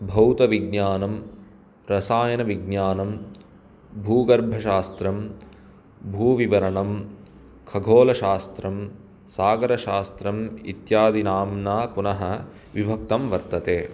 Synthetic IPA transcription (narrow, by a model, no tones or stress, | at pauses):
bʱɐwt̪ɐʋiɡnjaːnɐm | ɾɐsaːjɐnɐʋiɡnjaːnɐm | bʱuːɡɐɾbʱɐʃaːst̪ɾɐm | bʱuːʋiʋɐɾɐɳɐm | kʰɐɡʱoːlɐʃaːst̪ɾɐm | saːɡɐɾɐʃaːst̪ɾɐmḭt̪jaːd̪inaːmnaːpunɐɦɐ̆ | ʋibʱɐk̚t̪ɐmʋɐɾt̪ɐt̪eː